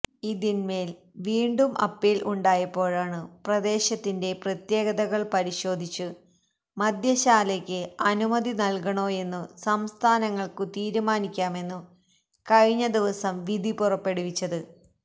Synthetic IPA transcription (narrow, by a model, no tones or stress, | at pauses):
iðinme̞ːl | ʋiːɳɖumʔɐ̰pːiːlʔuɳɖaːjɐpːo̞ːɻaːɳɨprɐd̪e̞ːɕɐt̪ːinde̞prɐt̪je̞ːɣɐðɐɣɐɭpɐɾiɕo̞ːd̪ʱit͡ɕːu | mɐd̪ʱjɐɕaːlekʲːɨɐnumɐd̪inɐlkɐɳo̞ːe̞nːusɐmst̪ʰaːnɐŋːɐɭkɨt̪iːɾumaːnikʲːaːme̞nːu | kɐɻiɲːɐd̪iʋɐsɐmʋid̪ʱipurɐpːe̞ɽuʋit͡ɕːɐðɨ